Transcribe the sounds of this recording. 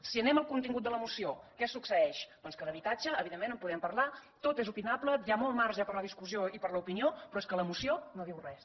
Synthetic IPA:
siənɛməlˠkunt̪iŋɡut̪d̪ələmusiokɛsuksəɛʃbɔnskələβit̪ad͡ʒəːβiðemːẽnəmpuðɛmpəɾlat̪ot̪ezupinapləjamɔlˠmaɾʒəpəɾləð̞iskuzioipəɾləupiniopɾɔeskələmusionoðiwrɛs

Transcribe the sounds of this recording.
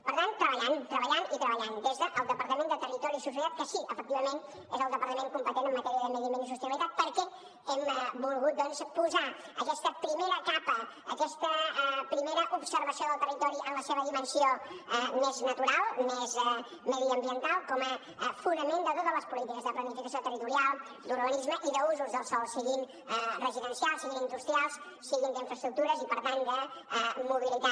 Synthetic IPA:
pəɾt̪ant̪ːɾəβəʎant̪ɾəβəʎanit̪ɾəβəʎand̪ezðəʔːlˠd̪əpəɾt̪əmẽnd̪ət̪ərit̪ɔɾisus̬əðat̪̚kəsiʔəfək̚t̪iβəmen | ḛzəlˠd̪əpəɾt̪əmeŋkumpət̪enəmːət̪ɛɾiəðəməɾimenisust̪əlit̪at̪̚pəɾkɛ | ɛmbulˠɣut̪̚d̪ɔnzpuza | əkɛst̪əpɾimeɾəkapə | əkɛst̪əpɾimeɾəʔubsəɾβəsioðəlˠt̪ərit̪ɔɾiʔənləseβəðimənsioɛmeznət̪uɾalˠmezɛ | mɛðiəmbiənt̪alˠkɔmə | funəmẽnd̪ət̪ot̪ələspulit̪ikəzðəplənifikəsiot̪ərit̪uɾialˠ | d̪uɾβənizməʔiðəuzuzðəlˠsɔlˠsəɣim | ɛrəziðənsialˠsəɣimind̪ust̪ɾialˠs | səɣind̪əiɱfɾəst̪ɾuk̚t̪uɾəzipəɾt̪and̪əɛmuβilit̪a

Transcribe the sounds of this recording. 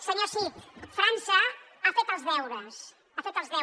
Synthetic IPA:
səɲoɾsipfɾansɐ | afet̪ɐzðɛwðɐs | afet̪ɐzðɛ

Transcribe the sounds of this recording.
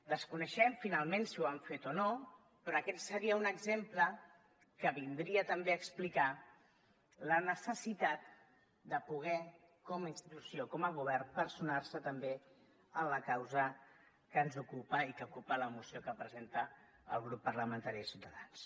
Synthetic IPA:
d̪əskunəʃɛɱfinalˠmẽnsiuaɱfet̪ono | pɾɔəkɛt̪səɾiəunəɡzemplə | kəβind̪ɾiət̪əmbeəksplika | lənəsəsit̪at̪̚ | d̪əpuɣ̞ɛ | kɔməinst̪it̪usjokɔməɣ̞uβ̞ɛrpəɾsunarsət̪əmbe | ənləkawzə | kənzukupəikəukupələmusijokəpɾəzent̪ə | ə̰lˠɣɾupːərləmə̃nt̪aɾiəsiwt̪əðans

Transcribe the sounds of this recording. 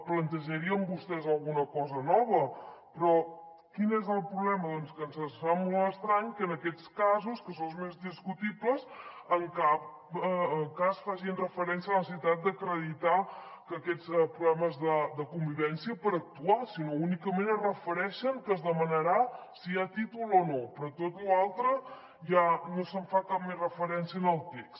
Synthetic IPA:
plənt̪əʒəɾiəmbust̪ɛzəlˠɣunəkɔzənɔβəpɾɔ | kinezəlˠpɾuβlɛməðɔnskənzəsfamolˠəst̪ɾaɲkəːnəkɛt͡skazuskəsozmezðiskut̪ipləzəŋkap̚ | əkasfaʃinrəfəɾɛnsiələnəsəsit̪at̪̚d̪əkɾəðit̪akəkɛt͡spɾuβɛməzðəd̪əkumbiβɛnsiəpəɾək̚t̪uasinounikəmenərəfəɾɛʃəŋkəzðəmənəɾasiat̪it̪ulˠonopɾɔt̪ot̪lualˠt̪ɾə | ʒanosəɱfakap̚mezrəfəɾɛnsiənəlˠt̪ekst̪

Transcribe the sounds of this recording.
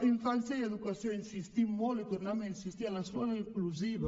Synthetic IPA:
iɱfanθjajed̪ukasjoinsist̪imolek̪uɾnameinsist̪ialaskwɔlaiŋkluziva

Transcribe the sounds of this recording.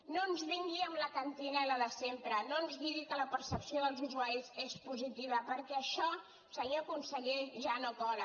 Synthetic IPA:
nonzβiŋɡiəmləkənt̪inəiləðəsempɾənoənzβiðikələpəɾsəpsioðəlˠzuzuaɾizespuzit̪iβ̞əpəɾkɛəʃɔ | səɣiəkunsəʎɛʒanokɔɾə

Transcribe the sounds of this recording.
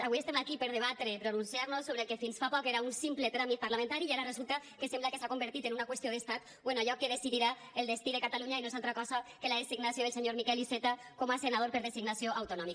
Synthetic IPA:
aβwiest̪emakipeɾðeβ̞at̪ɾepɾonunsiaɾnosoβɾelkefinsfapɔkeɾaunsimplet̪ɾamit̪̚paɾlamẽnt̪aɾiaɾarezulˠt̪akesemblakesakombeɾt̪it̪enunakwesioðest̪at̪̚ | bwenoaʎɔkeðesiðiɾa | elˠd̪est̪iðekat̪aluɲainoezalˠt̪ɾakɔzakelaðesiɡnasioðelseɲoɾmikɛliset̪a | kɔmasenað̞oɾpeɾðesiɡnasioʔawt̪unɔmik

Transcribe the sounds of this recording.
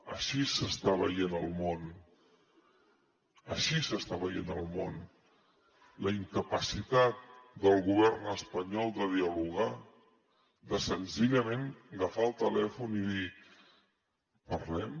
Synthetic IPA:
əʃisəst̪aβə̰jenəlˠmon | əʃisəst̪aβəjenəlˠmon | ləiŋkəpəsit̪at̪̚d̪əlˠɣuβɛɾnəspəɲɔlˠd̪əð̞iəluɣ̞a | d̪əsənziʎəmẽnɡəfaəlˠt̪əlɛfuniði | pəɾlɛm

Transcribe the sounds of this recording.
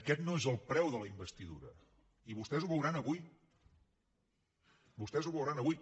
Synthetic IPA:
əkɛt̪noezəlˠpɾɛwðələimbəst̪iðṵɾə | iβust̪ɛzuβəwɾanəβui | bust̪ɛzuβəwɾanəβuj

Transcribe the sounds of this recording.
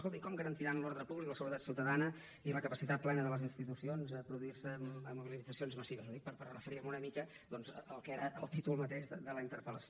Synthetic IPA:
skolˠt̪ikɔmɡəɾənt̪iɾanlɔɾðɾəpuβlikləsəβuɾət̪at̪siwt̪əðanə | iləkəpəsit̪at̪̚plɛnəðələzinst̪it̪usionzəpɾuðuiɾsəəmuβililid͡zəsionzməsiβəzuðik̚pəɾpərəfəɾiɾmunəmikə | d̪ɔnzəəlˠkɛɾəʔəlˠt̪it̪ulˠmət̪eʒðəðələint̪əɾpələs

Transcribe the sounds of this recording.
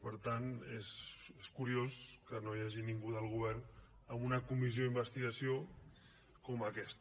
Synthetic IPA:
pəɾt̪aneseskuɾioskənojaʒiniŋɡuðəlˠɣ̞uβɛɾn | əmunəkumizioðimbəst̪iɣəsio | kɔməkɛst̪

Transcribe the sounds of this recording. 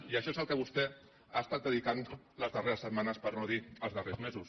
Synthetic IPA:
iəʃɔezəlˠkəβust̪ɛ | ast̪at̪̚əðikan | ləzðəreɾəsːət̪̚manəspəɾnoðiəlˠzðərezmezus

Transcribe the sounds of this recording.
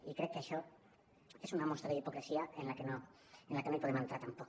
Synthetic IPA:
ikɾekːeeʃo | e̞sunamo̞st̪ɾaðeipokɾesiaenlakeno | enlakenojpoemãnt̪ɾat̪ampok

